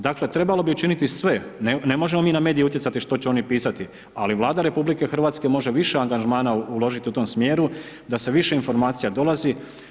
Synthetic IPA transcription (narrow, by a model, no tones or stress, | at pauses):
d̪akle̞t̪ɾe̞balo̞biut͡ʃinit̪isʋe̞nnemo̞ʒe̞mo̞miːname̞ːd̪ijeut̪je̞tsat̪iʃt̪o̞t͡ɕeo̞nipiːsat̪i | aliʋlˠaːd̪aɾe̞publike̞xr̩ʋat̪ske̞mo̞ʒe̞ʋiʃe̞aŋɡaʒmaːnaulˠo̞ʒit̪iut̪o̞ːmsmjeːɾu | d̪ase̞ʋiʃe̞info̞ɾmaːt̪sijad̪o̞lazi